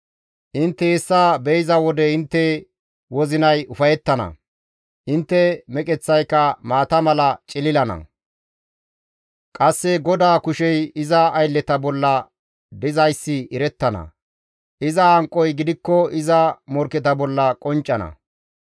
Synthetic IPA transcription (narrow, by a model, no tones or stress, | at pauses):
ʔɪnt̪ːɛɛsːaːbɛjzɐwɔd̪ɛɪnt̪ːɛ | wɔzɪnɐjʊfɐjɛt̪ːɐnɐ̰ | ʔɪnt̪ːɛmɛkʼɛt͡sːɐjkːɐmaːt̪ɐmɐlɐt͡ʃʼɪlɪlɐnɐ̰ | kʼɐsːɛɡɔd̪aːkʊʃɛjɪzɐːjlːɛt̪ɐbɔlːɐ | d̪ɪzɐjsːɪɪɾɛt̪ːɐnɐ̰ | ʔɪzɐhɐŋkʼːɔjɡɪd̪ɪkːɔɪzɐmɔɾkɛt̪ɐbɔlːɐkʼɔnt͡ʃʼːɐnɐ̰